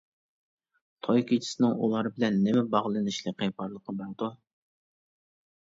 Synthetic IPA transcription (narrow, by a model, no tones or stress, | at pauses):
t̪ʰojkʰʲit͡ʃʰi̥sɪnɨŋṵlˠɑɾbɪlɛnːɪmɛbɑʁlˠɨnɨʃlɨqepɑɾlˠəqʰəbɑd̪u